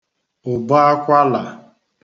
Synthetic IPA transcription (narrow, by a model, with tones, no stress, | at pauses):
ʊ˨ba˦a˦kʷa˦la˨